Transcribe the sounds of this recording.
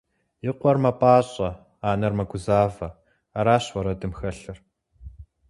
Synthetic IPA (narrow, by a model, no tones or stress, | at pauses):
jɪqʷɔrmɐpʼaːɕʼɐ | aːnɐrmɐɡʷʊzaːvɐ | aɾaːɕwɐɾɐdɨmxɐɬɨr